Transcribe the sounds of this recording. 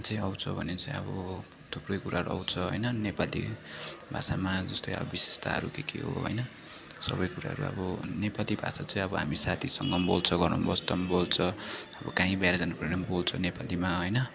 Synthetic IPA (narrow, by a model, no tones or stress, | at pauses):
t͡sʌĩʌwt͡sʰʌbʱʌnet͡sʌj̃ʌ̰bʌ | t̪ʰuprʌjkuɾaɦʌɾṵʌ̰wt͡sʰʌɦo̰jnʌnepalḭbʱa̰samad͡zʌst̪ojʌ̰bʌbise̥st̪ʰa̰ɦʌ̰ɾukekḛɦo̰ɦo̰jnʌ | sʌ̰bʌjkuɾa̰ɦʌ̰ɾṵʌ̰bʌnepalibʱa̰sat͡sʌj̃ʌbʌɦa̰misat̪ʰisʌŋɡʌmbolt͡sʰʌɡʌrnṵbʌst̪ʌmbolt͡sʰʌʌbʌkaɦĩbajɾad͡zanaprenambolt͡sʰʌnepalimaɦojnʌ